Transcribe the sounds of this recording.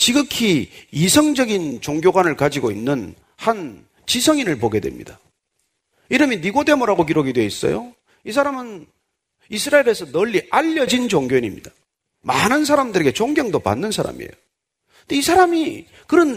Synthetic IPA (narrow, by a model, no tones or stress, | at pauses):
t͡ɕiɡɯkʰiisʰʌŋd͡ʑʌɡint͡ɕoŋɡjoɡwanɯɭkad͡ʑiɡoinːɯn | han | t͡ɕisʰʌŋinɯɭpoɡe̞dwe̞̰mɲḭd̥a | iɾɯminiɡode̞moɾaɡok̬iɾoɡidwe̞is͈ʌ̰jo̰ | is̬ʰaɾamɯn | isʰɯɾaeɾe̞sʰʌnʌʎːiʔaʎːʌd͡ʑint͡ɕoŋɡjoiɲimɲḭd̥a | manɯns̬ʰaɾamdɯɾe̞ɡe̞t͡ɕoŋɡjʌŋdopa̰nːɯnsʰaɾa̰mḭḛjo | doisʰaɾami | kɯɾʌn